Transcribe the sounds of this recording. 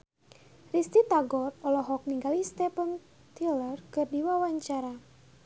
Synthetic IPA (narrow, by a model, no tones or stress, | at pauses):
rist̪it̪aɡɔrɔlɔɦɔk̚niŋɡalist̪ɛpən | t̪ilərkɨrdiwawaɲt͡ʃaɾa